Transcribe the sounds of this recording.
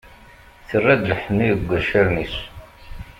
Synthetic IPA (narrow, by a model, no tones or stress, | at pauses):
θərːæd̪lħəmːiəɡʷːəʃæɾnis